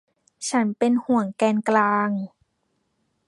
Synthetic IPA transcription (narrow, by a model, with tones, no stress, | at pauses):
t͡ɕʰa˦˥npe˧nhu˨˩˦əŋkɛː˧nklaː˧ŋ